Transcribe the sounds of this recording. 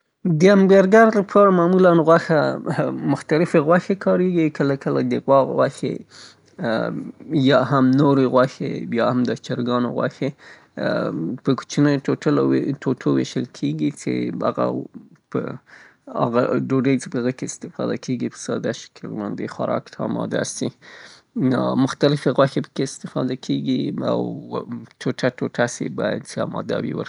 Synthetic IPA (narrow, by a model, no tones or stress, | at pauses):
d̪əamɡaɾɡaɾlapʰɑɾamɑmulanɣwaxamʊxt̪alɪfeɣwaxekʰɑɾeɡikəlakəlad̪əɣwɑɣɣwaxḛ | jɑɦamnoɾeɣwaxḛjɑhamd̪ət͡ʃaɾɡɑno̰ɣwa̰xe | pəku̥t͡ʃinəjoʈəltʰoʈʰowḛʃəlkʰeɡit͡sḛaɣa̰ | pə | a̰ɣaɖoɖəjt͡sepəɣəkeɪst̪ɪfɑ̰d̪akʰeɡipəsɑd̪aʃɪ̥kʰəlmand̪exwaɾʔɑ̰kt̪ʰamɑ̰d̪a̰st̪i | mʊxt̪alɪfeɣwaxepə̥keɪst̪ɪfɑd̪akʰeɡia̰wtʰoʈʰaʈoʈʰasḛbɑja̰d̪seamɑ̰d̪ɑ̰wḭwə̰ɾi̥